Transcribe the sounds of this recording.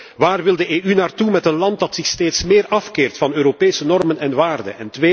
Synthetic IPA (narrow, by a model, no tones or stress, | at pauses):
ʋaːrʋɪlˠdəeːʔynaːrtumɛtənlɑntdɑtsɪxsteːtsmeːrɑfkeːrtfɑnøːɾopeːsənɔrmənɛnʋaːrdə̰nɛntʋeː